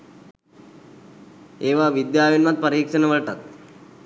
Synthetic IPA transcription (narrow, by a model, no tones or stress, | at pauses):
eːʋaʋid̪jaːʋinmat̪̚pəɾiːkʂənəʋəɭʈat̪̚